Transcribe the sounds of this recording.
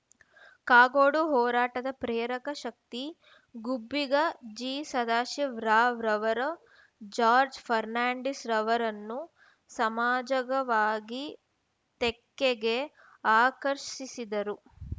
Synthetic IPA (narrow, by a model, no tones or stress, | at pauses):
kaːɡoːɽuɦɔːɾaːʈɐd̪ɐpɾeːɾɐkɐʃɐk̚t̪i | ɡubːiɡɐd͡ʒiːsɐd̪aːʃiʋɾaːʋɾɐʋɐɾɐ | d͡ʒaːɾd͡ʒpʰɐɾnaːɳɖisɾɐʋɐɾɐnːu | sɐmaːd͡ʒɐɡɐʋaːɡi | t̪ekːeɡe̞ | aːkɐɾʃisid̪ɐɾu